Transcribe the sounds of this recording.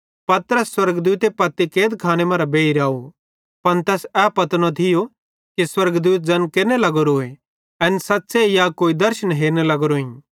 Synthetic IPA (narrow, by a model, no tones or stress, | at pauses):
pɐt̪ɾəsːwɐɾɡd̪uːt̪epɐt̪ːikeːd̪kʰaːñemɐ̃ːɾabeːiɾaːu | pɐnt̪ɛːsɛpɐt̪nõt̪ʰɪjo | kiswɐɾɡd̪uːt̪̚d͡ʒɐnkeːɾnelɐɡoɾoːe | ɛnsɐtːsejakoːid̪ɐɾʃənɦeːɾnelɐɡoɾoːĩ